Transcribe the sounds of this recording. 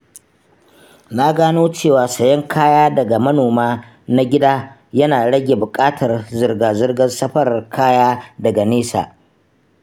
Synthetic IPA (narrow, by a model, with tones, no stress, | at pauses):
na˦ɡaː˦noː˦t͡ʃeː˦˨waː˨sɐ˨jɐ˦ŋkʰaː˦jaː˦dɐ˨ɡa˨mɐ˦noː˨maː˦ | na˦ɡʲɪ˦daː˦ | jɐ˦naː˨ɽɐ˦ɡʲe˨bʊ˨kʼaː˦tʰɐ˨rzɪ˨rɡaː˨zɪ˦rɡɐ˦nsɐ˦ɸɐ˦rkʰaː˦jaː˦dɐ˨ɡa˨neː˦sa̰ː˨